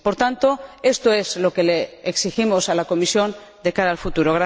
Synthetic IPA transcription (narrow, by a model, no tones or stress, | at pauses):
poɾt̪ant̪o̞e̞st̪o̞e̞zlo̞ke̞leːksiximo̞salako̞misjo̞n | d̪e̞kaɾaːlfut̪uɾo̞ɣɾa